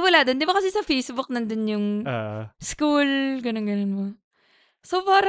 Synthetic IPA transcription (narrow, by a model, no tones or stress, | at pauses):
wɐlaːd̪ond̪ɪbakɐsɛsɐfejsbʊk̚nɐnd̪onjʊŋ | skulɡɐnonɡɐnonmo | sopaːɾɐ